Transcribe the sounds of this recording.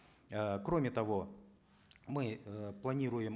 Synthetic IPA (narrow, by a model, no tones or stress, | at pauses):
əkɾo̞mʲɪt̪ɐvo̞ | mɨplˠɐnʲiɾʊjɪm